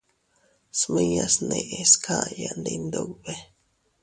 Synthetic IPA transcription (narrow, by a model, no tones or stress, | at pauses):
smijasneʔeskʰajand̪ind̪oɡbe